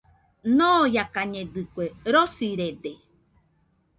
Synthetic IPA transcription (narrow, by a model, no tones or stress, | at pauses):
nõjakaɲẽd̪ɨkʷeɾosiɾed̪e